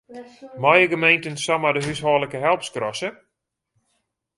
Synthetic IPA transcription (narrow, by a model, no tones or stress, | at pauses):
mɔjəɡəmejntənsamadəɦyshɔːləkəɦɛlˠpskrɔsə